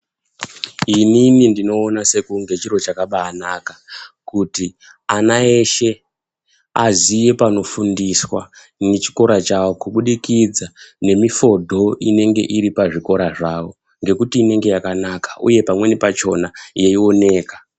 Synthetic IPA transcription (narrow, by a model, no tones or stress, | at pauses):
ininindino̞ːnase̞kuŋɡe̞t͡ʃiɾo̞t͡ʃakaɓaːnakḁkuti | anae̞ʃe̞ | azije̞pano̞fundiswa | ne̞t͡ʃi̥ko̞ɾat͡ʃawokuɓuɗikid͡zane̞mifo̞dʱo̞ine̞ŋɡe̞̰ʔiɾipaʐiko̞ɾaʐawo̞ | ŋɡe̞kutiːne̞ŋɡe̞jakanakḁʔṵje̞pamwe̞ne̞pat͡ʃo̞najeio̞ne̞ːkḁ